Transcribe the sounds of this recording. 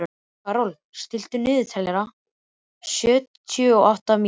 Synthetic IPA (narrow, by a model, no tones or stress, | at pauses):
kaːɾɔl | st̪ɪl̥t̪ʏnɪːðɪt̪ʰajlɛɾa | sœːt̪t̪ʰʏɔawht̪am